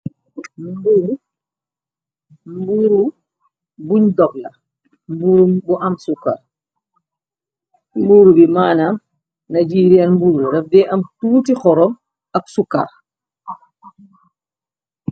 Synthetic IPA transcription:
mbuːɾu | mbuɾu | buɲdɔk̚la̰ | mbuːɾumbuʔɐmsukːa̰ɾ | mbuːɾubimaːnam | nad͡ʒiːɾiɐnmbuːɾuɾɐfdɛʔɐmtuːtixɔɾɔm | ɐksukːa̰ɾ

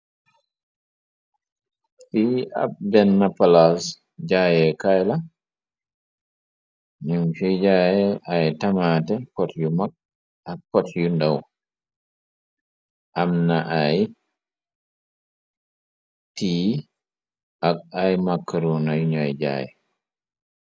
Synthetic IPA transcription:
fia̰b̚bɛnːapalas | d͡ʒajɛkajla | ɲumt͡ʃid͡ʒajɛʔajtamatɛkɔtjumak̚ | ʔakkːɔtjundaw | ʔamnaʔaj | tiː | ʔakajmakːaɾunajɲajd͡ʒa̰ːjɛ̰

